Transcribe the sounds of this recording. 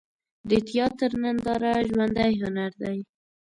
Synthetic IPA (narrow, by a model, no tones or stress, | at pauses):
d̪ət̪jɑt̪əɾnand̪ɑɾaʒwand̪ajɦʊnaɾd̪aj